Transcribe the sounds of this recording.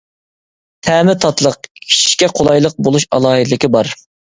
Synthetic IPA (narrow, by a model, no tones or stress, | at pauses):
t̪ʰɛːmɪt̪ʰɑt̪lˠəq̚kʲʰi̥ʃi̥ʃkʲɛqʰolˠɑjlˠəq̚bolˠuʃɑ̰lˠɑːɦɨd̪lɪkʲɪbɑɾ